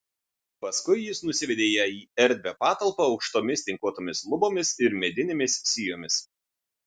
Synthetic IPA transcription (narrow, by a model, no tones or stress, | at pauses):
pɐskʊɪjɪsnʊsʲɪʋʲɛd̪ʲeːjɛiːɛɾʲd̪ʲʋʲɛpɑːt̪ɐlˠpɐɒʊkʃt̪oːmʲɪsʲt̪ʲɪŋkuɔt̪oːmʲɪslˠʊboːmʲɪsɪɾmʲɛd̪ʲɪnʲeːmʲɪssʲijoːmʲɪs